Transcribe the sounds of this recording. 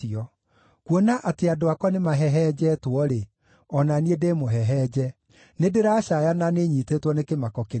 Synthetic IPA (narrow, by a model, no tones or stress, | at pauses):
iɔ | kwonaʔateadoakɔnemaɦɛɦɛd͡ʑɛtwɔɾe | ɔnaniedeːmoɦɛɦɛːd͡ʑɛ | nedeɾaɕajananeɲiːtetwɔnekemakɔke